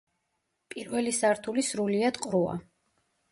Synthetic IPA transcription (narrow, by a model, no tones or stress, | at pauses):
pʼiɾvɛlisaɾt̪ʰulisɾuliad̪̥qʼɾua̰